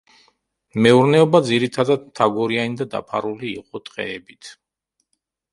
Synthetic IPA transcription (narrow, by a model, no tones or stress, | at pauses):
mɛuɾnɛɔbad̪ziɾit̪ʰad̪ad̪mt̪ʰaɡɔɾianid̪ad̪a̰pʰa̰ɾuliːqʼɔt̪ʼqʼɛ̰ɛbit̪ʰ